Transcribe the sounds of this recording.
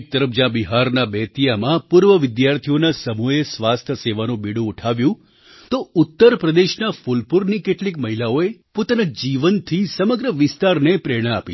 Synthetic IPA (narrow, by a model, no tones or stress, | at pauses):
k̚t̪əɾəfd͡ʒãbiɦaɾnabɛt̪ijamãpuɾʋəʋɪd̪jaɾt̪ʰijonasəmuesʋast̪ʰəseʋanũbiɽũːʈʰaʋjũ | t̪out̪ːəɾpɾəd̪eʃnafulpuɾnikeʈlikməɦilaoepot̪anad͡ʒiʋənt̪ʰisəməɡɾəʋɪst̪aɾnepɾeɽ̃əapi